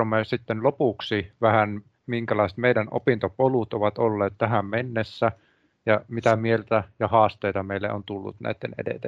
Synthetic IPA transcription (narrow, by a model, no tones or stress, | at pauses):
omesit̪ːenlopuksiʋæhæn | miŋkælɑise̥t̪meidæno̰pint̪opolut̪oʋɑt̪olːeːt̪t̪æɦæmmenːesːæ | jɑmit̪æmielt̪æjɑhɑːst̪eːt̪ɑmeilːḛo̰nt̪ulːṵt̪næ̰it̪ːḛnḛdḛt̪e